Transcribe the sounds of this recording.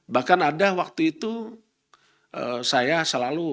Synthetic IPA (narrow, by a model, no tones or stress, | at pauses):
bahkanadawak̚t̪uit̪u | əsajasəlalu